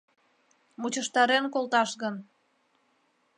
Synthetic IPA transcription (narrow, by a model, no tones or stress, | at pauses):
mut͡ɕəʃt̪ɑɾenkolt̪ɑʃɣən